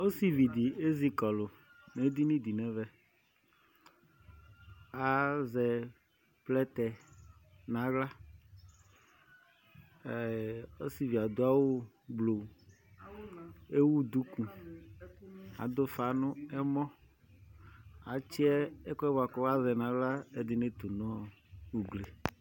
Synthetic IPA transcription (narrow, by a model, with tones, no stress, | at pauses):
o˦si˨vi˨d̪i˨e˦zi˨kɔ˨lo˨ | ne˨˦d̪i˦nĩ˦d̪i˨nɛ̃˨vɛ˦ | a˦zɛ˨ | plɛ˦t̪ɛ˨ | nã˨˦ɣla˦˨ | o˦si˨vi˨a˨d̪o˦a˦wo˦ | ɡ͡blo˨ | e˦wu˦d̪u˦kũ˨ | a̰˨d̪o˦fa˨nʊ̃˦ɛ˦mɔ̃˦ | a˨t͡ʃi˦ɛ˦e˦kɔ˦ɛ˦wo˨a˨kɔ˦wa˦zɛ˨nã˨˦ɡla˦e˦d̪ɪ˦nẽ˦t̪o˨nɔ̃˦wu˨ɡle˨